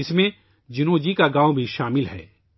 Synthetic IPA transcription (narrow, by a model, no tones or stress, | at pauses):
ɪsmẽ | d͡ʒʊnoːd͡ʒikaɡãːõbʱiʃaːmɪlɦɛ̰ː